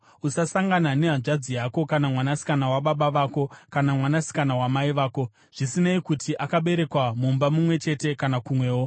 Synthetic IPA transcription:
usasaŋɡanane̞ɦaʐad͡zijako̞kanamwanasi̥kanawaɓaɓaʋaːko̞kanamwanasi̥kanawamaiʋaːko̞ | ʐ̥isinaikutʰiʔakaɓe̞ɾe̞kwamumbamumwe̞t͡ʃe̞te̞kanakumwe̞ːwo̞

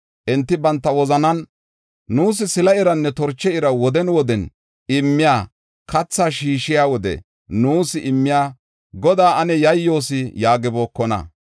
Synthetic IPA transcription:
ʔɪnt̪ːɪbɐnt̪ːɐwɔzɐnɐn | nuːs̬ɪsɪlɐɪɾɐnːɛt̪ɔɾt͡ʃːɛɪɾɐwɔd̪ɛnwɔd̪ɛn | ɪmːɪjaː | kʰɐt͡sːaːʃiːʃɪjaːwɔd̪ɛ̰ | nuːsɪʔɪmːɪjaː | ɡɔd̪aːʔɐnɛjɐjːo̞ːsɪjaːɡɪbo̞ːkːɔnɐ̰

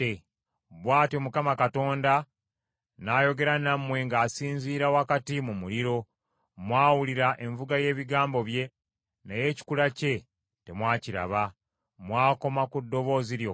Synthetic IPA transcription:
e | βwaːto̞mukamakato̞ːnda | naːjo̞ɡe̞ɾanamwe̞ŋɡaːsiːnziːɾawakatimumuliɾo̞ | mwaːwuliɾaʔe̞ɱvuɡaje̞ːβiɡaːmbo̞βje̞ | naje̞ːci̥kulace̞ | te̞mwaːciɾa̰βa | mwaːko̞makudːo̞βo̞ːziɾjo

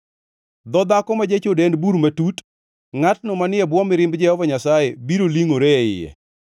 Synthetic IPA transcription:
d̪ɔd̪akɔmad͡ʒet͡ʃodenbuɾmatut | ŋatnɔmanɪɛbwɔmɪɾɪmbd͡ʒɛhɔvɔɲasajebiɾoliŋoɾeɪ̰jɛ̰

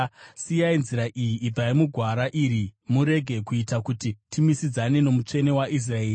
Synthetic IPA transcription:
sijainziɾaʔijiʔːbʱaimuɡʱwaɾaʔiɾimuɾe̞ɡʱe̞kuitakutitimisid͡zane̞no̞mut͡ʂe̞ne̞waʔis̬rae̞ːi

